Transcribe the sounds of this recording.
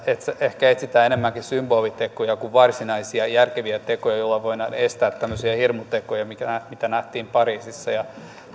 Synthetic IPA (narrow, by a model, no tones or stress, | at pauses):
et̪seehkæet̪sit̪æːenemːæŋkisymboːlit̪ekojɑkuʋʋɑrsinɑisiɑjærkeʋiæt̪ekojɑjolːɑʋoinɑnest̪æːt̪tæmːøsiɑhirmut̪ekojɑmikææmit̪ænæht̪iːmpɑriːsisːɑjɑ